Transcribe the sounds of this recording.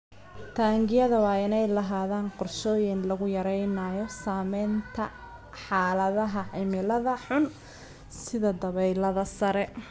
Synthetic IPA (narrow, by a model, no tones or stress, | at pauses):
t̪ʰaːŋɡɪjɐðɐwɑːɪnɛjlɐɦaːðaːnqʊrʃɔːjɪnlɐɣʊjɐɾɛjnaːjɔsaːmɛjnt̪ʰɐ | ħaːlɐðɐɦɐʕɪmɪlɐðɐħʊn | sɪðɐd̪ɐβɛjlɐðɐsɐɾɛ